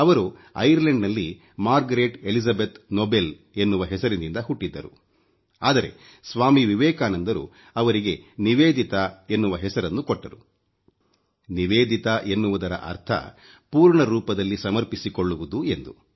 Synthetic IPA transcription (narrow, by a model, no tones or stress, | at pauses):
ɐʋɐɾuɐ̰jɐɾleɳɖnɐlːi | maːɾɡɐɾeʈelisɐbet̪nobe̞l | e̞nːuʋɐɦɛsɐɾinind̪ɐɦuʈːid̪ːɐɾu | aːd̪ɐɾe̞̰ | sʋaːmiʋiʋɛːkaːnɐnd̪ɐɾṵ | ɐʋɐɾiɡe̞niʋeːd̪ʱit̪ɐe̞nːuʋɐɦɛsɐɾɐnːukoʈːɐɾu | niʋeːd̪it̪ɐʔe̞nːuʋud̪ɐɾɐ̰ʔɐ̰ɾt̪ʰɐ̰ | puːɾɳɐɾuːpɐd̪ɐlːisɐmɐɾpisikoɭːuʋud̪ue̞nd̪u